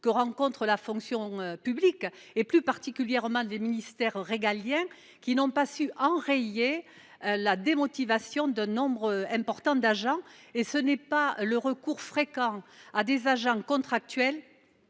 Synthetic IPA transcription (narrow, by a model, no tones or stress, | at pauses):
kəʁɑ̃kɔ̃nt̪χəlafɔ̃ŋksjɔ̃øpyblik | eplypaʁt̪ikʲyljɛʁmɑ̃leminist̪ɛʁːeɡaljɛ̃ | kʲinɔ̃pasyʔɑ̃ʁeje | ølad̪emɔt̪ivasjɔ̃d̪ɛ̃nɔ̃bʁɛ̃pɔʁt̪ɑ̃d̪aʒɑ̃esənɛpaləʁəkuʁfχekɑ̃ad̪ezaʒɑ̃kɔ̃t̪χak̚t̪ɥɛl